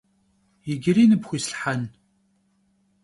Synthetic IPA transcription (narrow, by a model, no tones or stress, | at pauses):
jɪɡʲɪɾiːnɨbxʷisɬħan